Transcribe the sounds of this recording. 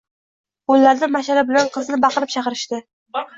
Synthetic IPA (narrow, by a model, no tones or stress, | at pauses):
bʊlːaɾd̪ɪmaʃaɾabɪlanqʰɨznɪbɑqɨɾɪp̚t͡ʃʰɑqɨɾɪʃt̪ɪ